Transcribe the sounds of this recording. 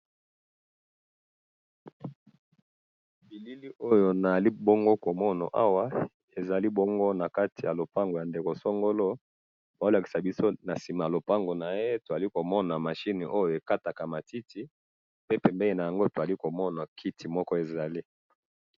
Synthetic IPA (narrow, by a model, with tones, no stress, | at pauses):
bi˨li˦li˦ʔo˦jo˨na˨a˨li˦bo˦ŋɡo˦ko˨mɔ˦na̰˨ʔa˦wa˦ | e˨za˨li˦bo˦ŋɡo˦na˨ka˦tʰi˨ja˨lo˨pa˦ŋɡo˨ja˨nde˨ko˨so˦ŋɡo˦lo˦ | ba˨o˦la˨ki˨sa˨bi˦so˦na˨si˨ma˨ja˨lo˨pa˦ŋɡo˨na˨je˦to˨za˨li˦ko˨mɔ˦na˨ma˨ʃi˦ni˨ʔo˦jo˨e˨ka˦ta˨ka˨ma˨ti˦tʰi˨ | pe˦pɛ˨mbe˦i˦˨na˨ja˨ŋɡo˦to˨za˨li˦ko˨mɔ˦na˨kʰi˦ti˨mɔ˦kɔ˦e˨za˨li˦